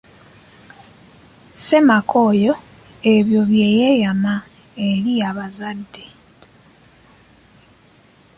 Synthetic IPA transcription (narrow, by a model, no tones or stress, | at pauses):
se̞makʰojo̞ | e̞βjo̞βje̞jejama | e̞ɾiaβazadːe̞